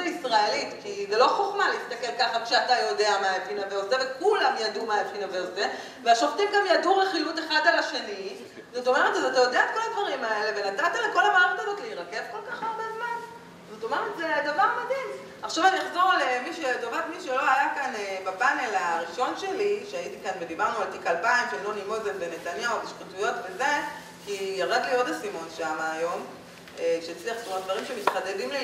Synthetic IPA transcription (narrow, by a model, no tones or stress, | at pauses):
isʁaelit̪kizelo̞χoχmaleist̪ake̞lkaχakʃeatajo̞de̞amaepinaveʁzevekulamjadumaepinaveʁze | veaʃoft̪imɡamjaduʁeχilute̞χadalaʃe̞ni | zot̪o̞me̞ʁetazat̪ajo̞deaet̪ko̞lad̪vaʁimae̞le̞ve̞natat̪aleko̞lamaːʁetalot̪leiʁakez̥ko̞lkaχaʁbezman | zatomeʁet̪zedavaʁmadim | aχʃavaniaχzo̞ʁlemiʃet̪ovatmiʃelo̞ajakanebabanelaʁiʃo̞nʃeliʃeaitikanved̪ibaʁnualt̪ikalpaimʃeajnonimozelbene̞tanjaobiʃkutujo̞tveze̞ | kijaʁadlio̞dasimo̞nʃamaːjo̞m | ekʃejat͡sliaχsumod̪vaʁimʃemit̪χade̞dimli